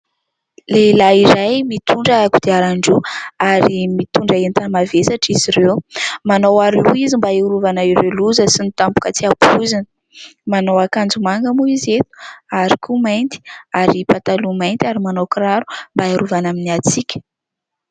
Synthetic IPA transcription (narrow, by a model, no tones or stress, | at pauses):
lelaiɾajmit̪uɳɖ͡ʐəakud̪iaɾaɳɖ͡ʐuaɾimit̪uɳɖ͡ʐaent̪amavesaʈ͡ʂiziɾewmanowaɾluizimbaiuɾuvanaiɾeluzəsinit̪ampu̥kət͡siapʰuzinə̥ | manowakand͡zumaŋɡəmuizet̪u̥aɾikʰumajnt̪i̥aɾipat̪alumajnt̪ʲaɾimanowkɾaɾu̥mbaaɾuvanaminiat͡sikʲə̥